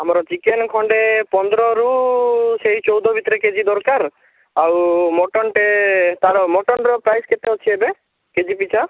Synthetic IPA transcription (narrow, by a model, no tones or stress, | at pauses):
amɔɾɔt͡ʃikenkʰɔɳɖepɔnd̪ɔɾɔɾuseɦit͡ʃɔwd̪ɔbʱit̪ɔɾeked͡ʒid̪ɔɾkaɾ | awmɔʈɔnʈet̪aɾɔmɔʈɔnɾɔpɾajsket̪eɔt͡ʃʰiebe | ked͡ʒipit͡ʃʰa